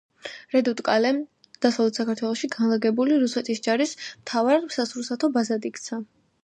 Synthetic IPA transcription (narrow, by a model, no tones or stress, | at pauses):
ɾɛd̪ut̪ʼkʼalɛm | d̪̥asavlɛt̪ʰsakaɾt̪ʰwɛlˠɔʃiɡanlˠaɡɛbuliɾusɛt̪ʰisd͡ʒaɾismt̪ʰavaɾmsasɾusat̪ʰɔbazad̪ikʰt̪sʰa